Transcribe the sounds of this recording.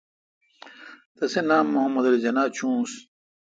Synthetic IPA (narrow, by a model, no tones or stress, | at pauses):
t̪ɐsenaːmːohɐmːɐd̪ɐld͡ʑɐnaːt͡ɕʰũːs